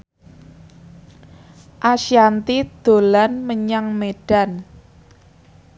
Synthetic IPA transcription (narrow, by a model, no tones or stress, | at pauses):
ʔaʃiant̪id̪̥o̤lanməɲaŋmeɖ̥a̤n